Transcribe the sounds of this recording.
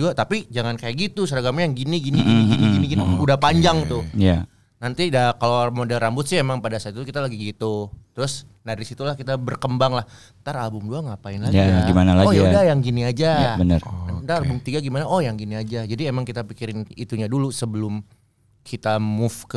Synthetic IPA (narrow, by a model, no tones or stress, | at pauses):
d͡ʒuat̪apid͡ʒaŋankajaʔɡit̪usaɾaɡamɲajaŋɡiniɡiniɡiniiɡiiniɡiniudahpaɲd͡ʒaŋt̪ʊja | nant̪idakalomodɛlrambʊt̪̚sɪhemaŋpadasat̪t̪ukit̪alaɡiɡit̪ut̪ɾʊs | daɾisit̪ulahkit̪abərkəmbaŋlah | t̪aralbʊmduaŋapaɪnlajaiɡimanalaɡɔjaudajaŋɡiniad͡ʒaabənə̰rdaalbʊmt̪iɡaɡimanaʔɔjaŋɡiniad͡ʒad͡ʒadiemaŋkit̪apikiɾɪnit̪uɲadulusəbəlʊm | kʰit̪amʊfk